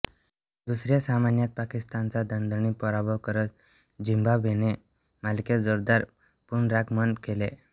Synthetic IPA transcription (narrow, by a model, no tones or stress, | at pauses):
d̪usɾjasamanjat̪̚pakist̪ant͡sad̪ənd̪ənipɔɾabʱɔʋkəɾət̪ | d͡ʑimbabʱene | malked͡zoɾd̪aɾ | punɾakmənkele